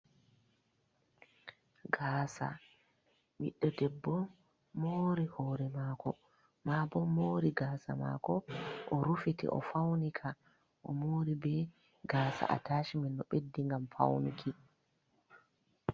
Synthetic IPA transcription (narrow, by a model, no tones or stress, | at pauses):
ɡaːsa̰ | mḭɗːɔdɛbːɔmː | oːɾihɔːɾɛmaːkɔ | mabɔmːoɾiɡaːsa̰ma̰ːkɔʔɔɾufitḭʔɔ̰fawnikʰa | ʔɔmoːɾibɛ | ɡaːsa̰ʔa̰taːʃimɛnːɔɓedːiŋɡamfa̰wnukʰi